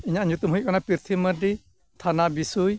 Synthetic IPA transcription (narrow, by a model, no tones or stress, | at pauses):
iɲaʔɲut̪umɦujʔ̚kɔnapɾiɾt̪ʰiməɾɖi | t̪ʰanabisuj